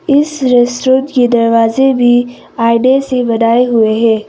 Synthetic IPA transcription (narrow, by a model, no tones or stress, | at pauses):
ɪsɾesɾoːt̪ked̪ɐɾʋaːzebʱi | aːɪɖesebɐnaːeɦʊeɦɛ̃ː